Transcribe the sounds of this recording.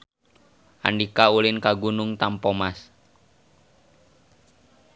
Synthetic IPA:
ʔa̰ndikaulɪnkaɡunʊŋt̪ampomas

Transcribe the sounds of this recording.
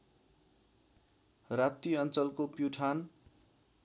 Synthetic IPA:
rap̚t̪iʌnt͡sʌlkopjuʈʰan

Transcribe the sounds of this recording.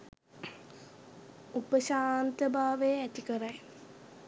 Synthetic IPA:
upəʃaːnt̪əbaːʋejəæt̪ikəɾaj

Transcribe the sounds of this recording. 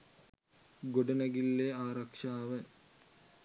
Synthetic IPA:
ɡoɖɐnɐɡilːeaːɾɐkʂaːʋɐ

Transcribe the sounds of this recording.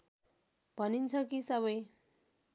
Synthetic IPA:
b̥ʱʌnint͡sʰʌkisʌβʌj

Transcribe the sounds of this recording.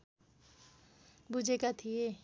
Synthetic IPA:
bud͡ʒʱekat̪ʰie

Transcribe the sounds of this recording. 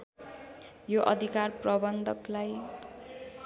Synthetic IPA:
joʔʌ̰d̪ʱikarprʌbʌnd̪ʱʌklaj

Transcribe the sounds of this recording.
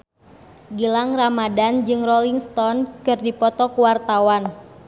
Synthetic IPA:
ɡilaŋramadand͡ʒɨŋrɔliŋst̪ɔnkɨrdipɔt̪ɔkuwart̪awan

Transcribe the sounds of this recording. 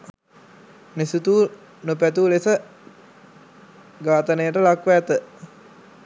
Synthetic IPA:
nesut̪uː | nupæt̪uːlesə | ɡaːt̪ənəjəʈəlakʋɛːt̪ə

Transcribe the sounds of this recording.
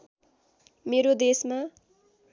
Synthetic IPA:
meɾod̪esma

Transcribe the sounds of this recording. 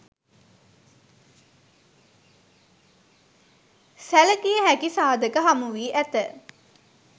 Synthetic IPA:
sæləkijəɦækisaːd̪əkəɦamuʋiːʔæt̪ə

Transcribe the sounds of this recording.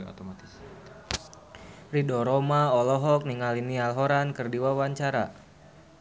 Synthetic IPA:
o̰t̪omat̪ɪs | ridɔɾɔmaɔlɔɦɔk̚niŋalinialɦɔɾankərdiwawaɲt͡ʃaɾa̰

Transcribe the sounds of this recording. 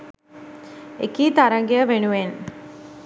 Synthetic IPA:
ekiːt̪aɾɐŋɡejəʋenuʋen

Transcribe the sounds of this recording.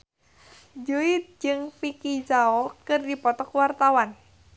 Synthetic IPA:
d͡ʒuit̪̚d͡ʒɨŋfikid͡ʒaɔkɨrdipɔt̪ɔkwart̪awan

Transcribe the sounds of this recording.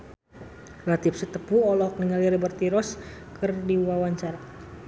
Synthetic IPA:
lat̪ip̚sət̪əpuɔlɔk̚niŋaliɾəbərt̪iɾɔs | kɨrdiwawaɲt͡ʃaɾa

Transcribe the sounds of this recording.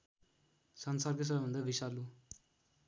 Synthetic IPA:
sʌnsarkos̬ʌbʌbʱʌnd̪abisalu

